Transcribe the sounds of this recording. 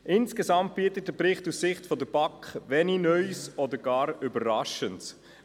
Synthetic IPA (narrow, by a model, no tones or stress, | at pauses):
ʔɪnskeszɑmt̚b̥iətət̚dɛpɾɪχtussɪχtfɔdəb̥ɑkχʋɛninœʏsɔdəɡ̥ɑːɾybəʁɑʃənts